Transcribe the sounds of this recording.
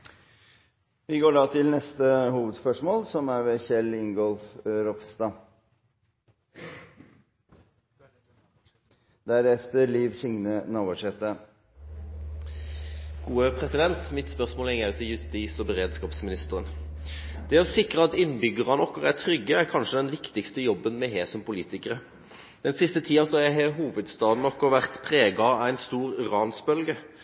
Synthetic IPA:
ʋɪɡoːɖɑːt̪ʰɪlnɛst̪əhuːʋəd̪spœʂmoːlsɔmæɾʋɛçɛlɪŋɡɔlfɾɔpst̪ɑ | d̪æɾɛft̪əɾliːʋsɪŋnənoːʋəʂɛt̪ːə | ɡ̥uːəpʰʁɛsɪd̪ɛnt̪mɪt̪spœʁsmoːlɛŋːæʉːt̪ʰɪjʉst̪iːsɔbəʁeːd̪skɑːpsmɪnɪst̪əʁən | d̪̥ɛɔsɪkʁəɑt̪ɪnbʏɡːəʁɑnɔkːɔʁæʁt̪ʰɾʏɡːəæʁkʰɑnʂəd̪ɛnʋɪkt̪ɪkst̪əjɔbːənmɛɦeːsɔmpʊliːt̪ɪkəʁə | d̪̥ɛnsɪst̪ət̪ʰiːɑsɔhɑjæɦeɦuːʋəd̪st̪ɑːd̪n̩ɔkːɔʋæʁt̪pʰʁeːɡɑɑæɪnst̪uːʁʏʁɑːnsbœlɡə

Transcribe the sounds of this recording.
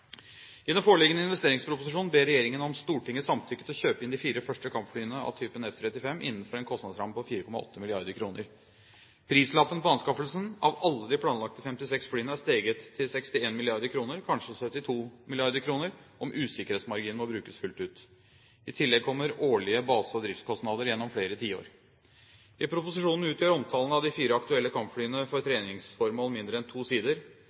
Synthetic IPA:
ʔɪɛmfoːɭɪɡənəɪnʋɛst̪eːɾɪŋspʰɾʊpʊsɪʂuːnbeːɾɛjeːɾɪŋənɔmst̪uːʈʰɪŋːəsɑmt̪ʰʏkːət̪ʰɪɔçøːpəɪnd̪ɪfiːɾəfœʂʈəkʰɑmpflyːənəɑ̰ʋt̪ʰyːpənɛft̪ʰɾɛt̪ːɪfɛmːʔɪ̰nːən̩fɔɾɛːnkʰɔst̪ɑd̪sɾɑmpʰɔfiːɾəkʰɔmɑʔɔ̰t̪ːəmɪlɪɑɾd̪əkʰɾuːnə̰ɾ | pʰɾiːslɑpːənpɔɑnskɑfəlsənɑʋɑlːəd̪ɪpʰlɑːnlɑk̚t̪əfɛmt̪ɪsɛksflyːənəæst̪eːɡət̪ʰːɪlsɛkst̪ɪeːnmɪlɪɑɾd̪əɾkʰɾuːnəɾkʰɑnʂəsœt̪ːɪt̪ʰuːmɪlɪɑɾd̪əɾkʰɾuːnəɾʔɔmʔʉːsɪkəɾeːt̪smɑɾɡiːnəɔbɾʉːkəsfʉlt̪ʉːt̪ | ɪt̪ʰɪlːɛɡ̚kʰɔmːəɾoːɭɪəbɑːsɔd̪ɾɪft̪skʰɔst̪nɑːd̪əɾjɛnːɔmfɽeːɾət̪ʰiːəo̰ːɾ | ɪpʰɾʊpʊsɪʂuːnn̩ʉːt̪jøːɾɔmt̪ʰɑːlnɑʋd̪ɪfiːɾəɑkt̪ʉɛlːəkʰɑmpfɽyːənəfɔɾt̪ʰɾeːnɪŋsfɔɾmoːlmɪnd̪ɾəɛnt̪ʰuːsiːd̪əɾ

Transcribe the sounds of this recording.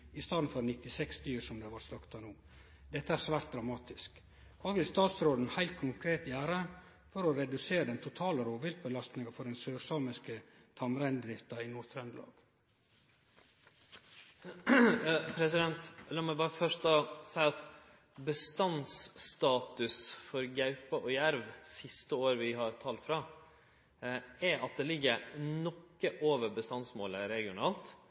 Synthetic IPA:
ɪst̪ɑːd̪n̩fɔɾnɪt̪ɪsɛksd̪yːɾsɔmd̪ɛːʋɑɾsɑkt̪ɑnuː | d̪ɛt̪ːəæːɾsʋæːɾt̪̚d̪ɾɑmɑːt̪ɪsk | hɑːʋɪlst̪ɑːt̪sɾoːd̪n̩hæɪlt̪̚kʰʊŋkʰɾeːt̪jæːɾə | fɔɾɔɾɛd̪ʉseːɾəd̪ɛnt̪ʰʊt̪ʰɑːləɾoːʋɪlt̪̚bəlɑst̪nɪŋɑfɔɖɛnsøːɾsɑːməskə | t̪ʰɑmɾæɪnd̪ɾɪft̪ɑinuːɾt̪ʰɾɛnd̪lɑ̰ːɡ̥ | pʰɾɛsɪd̪ɛnt̪lɑːmɛbɑːɾəfœʂt̪ɑsæɪɑt̪ | bəst̪ɑnsst̪ɑːt̪ʉsfɔɾɡɑʉpəʔɔjæɾʋsɪst̪əoːɾʋɪɦɑɾt̪ʰɑːlt̪fɾɑː | ɛɾʔɑt̪̚d̪ɛlɪɡːəɾnɔkːəʔoːʋəɾbəst̪ɑnsmoːləɾɛɡɪʊnɑːlt̪

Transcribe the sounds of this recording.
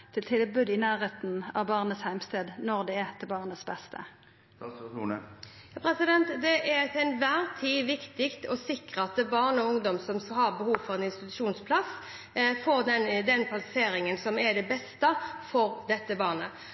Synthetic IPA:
t̪ʰɪlt̪ʰɪlbʉːd̪ɪnæːʁeːt̪nɑ̰ʋbɑːʁnəshæɪmst̪eːd̪nɔʁd̪ɛɛt̪ʰɪlbɑːʁnəsbɛst̪ʰə̰ | pʰɾɛsɪd̪ɛnt̪d̪ɛʔæɾt̪ʰɛnʋæːʁt̪ʰiːʋɪkt̪ɪkt̪ɔsɪkʁəɑt̪̚d̪ɛbɑːʁnəɔʊŋd̪ɔmsɔmshɑʁbəhuːʋfɔʁɛnɪnst̪ɪt̪ʉʂuːnspʰlɑs | foːɾd̪ɛnd̪ɛnkʰɑlseːɾɪŋənsɔmɛɾd̪ɛbɛst̪əfɔʁd̪ɛt̪ːəbɑːʁnə

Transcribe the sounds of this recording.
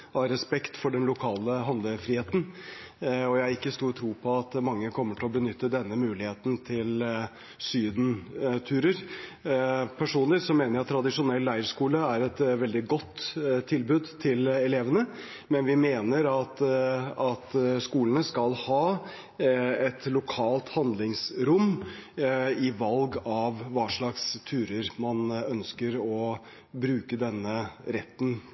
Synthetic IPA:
ɑɾɛspɛkt̪fɔɖɛnlʊkʰɑːləɦɑnd̪əfɾiːheːt̪n̩ | ɔjææɾɪkːəst̪uːɾʈ̪ʰɾuːpʰɔɑt̪mɑŋːəkʰɔmːəʈʰɛlɔbənʏt̪ːəd̪ɛnːəmʉːlɪheːt̪n̩t̪ʰɪl | syːd̪n̩t̪ʰʉːɾəɾ | pʰæʂuːnlɪsɔmeːnəɾɑt̪ːʰɾɑd̪ɪʂʊnɛlːæɪəɾʂkuːləæɾɛt̪ʋɛld̪ɪɡɔt̪ːt̪ʰːɪlbʉːd̪t̪ʰɪlɛleːʋənə | mɛnʋɪmeːnəɾɑt̪ɑt̪skuːlənəskɑlhɑː | ɛt̪lʊkʰɑːlt̪hɑnd̪lɪŋsɾʊm | ɪʋɑlɡɑʋʋɑːʂɭɑkst̪ʰʉːɾəɾmɑnœnskəɾɔ | bɾʉːkəd̪ɛnːəɾɛt̪ːn̩

